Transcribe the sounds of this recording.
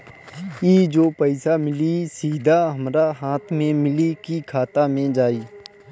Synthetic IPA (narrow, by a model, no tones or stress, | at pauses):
jiːd͡ʒoːpəɪsamɪlisiːd̪ʱaɦəmɾaɦaːt̪ʰmẽmɪlikikʰaːt̪amẽd͡ʒaːiː